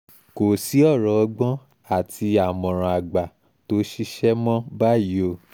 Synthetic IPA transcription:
ko˨si˨˦ɔ˦˨ɾɔ˨˧ɡ͡bɔ̃˦ | a˦˨ti˧a˨mɔ̃˨ɾ̃ã˨a˨ɡ͡ba˨ | to˦ʃi˦ʃɛ˦mɔ̃˦ba˦˨ji˨˦o˧

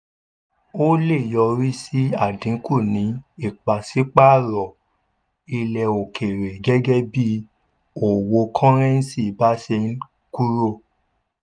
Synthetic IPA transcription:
o˦le˦˨jɔ˧ɾi˦si˦a˦˨dĩ˨˦kʰu˦˨nĩ˨˦i˦˨k͡pa˨si˨˦k͡pa˦˨ɾɔ˨ | i˧lɛ˨o˨kʰe˨ɾe˨ɡɛ˦ɡɛ˦bi˦ | o˨wo˧kʰaɔ̃˦ɾ̃ɛ̃˦n̩˦si˦˨˦ba˦se˧n̩˦ | ku˦ɾo˦˨

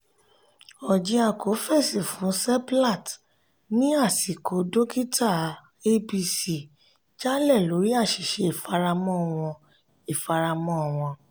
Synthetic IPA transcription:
ɔ˨d͡ʒi˧a˧˨kʰo˨˦fe˦˨si˨fũ˨˦sɛ˦pla˦˨t | nĩ˦a˦˨si˨ko˨˦do˦ki˦tʰa˦˨ | e˦bi˧si˦˨ | d͡ʒa˦lɛ˦˨lo˨˦ɾi˦a˦˨ʃi˨ʃe˧i˦˨fa˧ɾa˧mɔ̃˦˨w̃ɔ̃˧ | i˨fa˧ɾa˧mɔ̃˦˨w̃ɔ̃˧

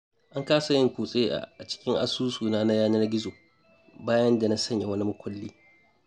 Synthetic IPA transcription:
ʔa˦ŋkaː˦sa˨jɪ˦ŋkʷuː˨sʼeː˦ʔa̰˨t͡ʃɪ̥˦kʲɪ˦ŋʔa̰˦suː˦suː˨naː˦na˦jaː˦nɐ˦rɡʲɪ˦zoː˨ | baː˦jɐ˦nda˨na˦sɐ˦ɲja˨wɐ˦ni˦mʊ˦kʷʰɐ˦lːiː˦

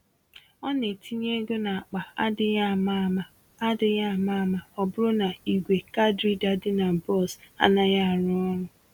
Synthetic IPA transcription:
ɔ˦ne˨ti˦ɲe˦ɡo˦na˨a˨k͡pa˨a˦dɪ˦a˦˨ma˦˨a˦ | a˦dɪ˦ɲa˦˨ma˦˨ma˨ɔ˨bʊ˦ɾʊ˦na˨i˨ɡʷe˨ka˦dɾi˦da˨dɪ˦na˨bɔ˦˨sa̰˦na˦ja˦a˨ɾʊ˦ɔ˦ɾʊ˨

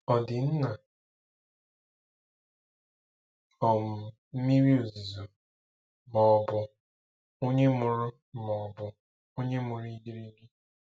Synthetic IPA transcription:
ɔ˨dɪ˨n̩˦na˨ | ɔ˨m̩˨ | m̩˦mi˦ɾi˦o˨zi˨zo˨ | mɔ˨bʊ˨ | o˦ɲe˦mʊ˨ɾʊ˦ | mɔ˨bʊ˨ | o˦ɲe˦mʊ˨ɾi˦di˦ɾi˦ɡi˦

